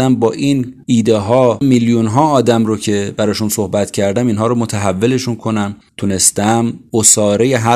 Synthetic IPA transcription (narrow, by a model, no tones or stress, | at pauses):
æmbɒːʔiniːd̪eɦɒːmiljunɦɒːɒːd̪æmɾocʰe̞bæɾɒːʃunsohbæt̪cʰæɾd̪æmiːnɦɒːɾomot̪ʰæɦævːe̞le̞ʃunkʰo̞næm | t̪ʰune̞st̪æmosɒːɾejeɦæ